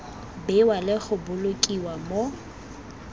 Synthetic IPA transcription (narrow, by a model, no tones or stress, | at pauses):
bɪwalɪk͡xʊbʊlokʼiwamo